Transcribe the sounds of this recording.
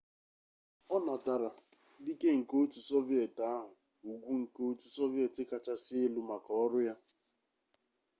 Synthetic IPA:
ɔ˦na˨ta˨ɾa˨ | di˦ke˦ŋ̩˨ko˦tu˨sɔ˦vi˦e˨ta˦ɦʊ˨ | u˨ɡʷu˦ŋ̩˨ko˦tu˨sɔ˦vje˨tɪ˦ka˨t͡ʃa˦sɪ˦e˦lu˦ma˨kɔ˨˦ɔ˦ɾʊ˦ja˦

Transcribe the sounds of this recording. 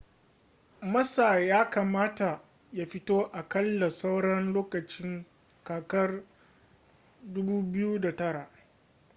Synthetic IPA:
mɐ˦saː˨jaː˦kaː˨maː˦ta˨ | ja˦ɸɪ˦toː˦ʔa˨kɐ˦lːa˨sa˦wɽɐ˦nloː˦kɐ˨t͡ʃɪ˦ŋ | kaː˨kɐ˦r | dʊ˦buː˦bɪ˦ju˦da˨tɐ˦ɽa˨ʔ

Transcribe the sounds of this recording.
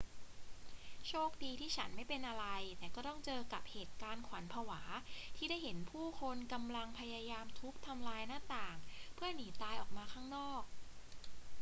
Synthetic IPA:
t͡ɕʰoː˥˩k̚diː˧t̪ʰiː˥˩t͡ɕʰa˦˥nma˥˩jpe˧nʔa˧ɾa˧jt̪ɛː˨˩kɔː˥˩t̪ɔ˥˩ŋt͡ɕɤː˧ka˨˩p̚heː˨˩t̪̚kaː˧nkʰwa˩˦npʰaː˧waː˩˦t̪ʰiː˥˩da˥˩jɦe˩˦npʰuː˥˩kʰo˧nka˧mla˧ŋpʰa˧ja˧jaː˧mt̪ʰu˦˥k̚t̪ʰa˧mlaː˧jnaː˥˩t̪aː˨˩ŋpʰɯ˥˩ɐniː˩˦t̪aː˧jʔɔː˨˩k̚maː˧kʰaː˥˩ŋnɔː˥˩k̚

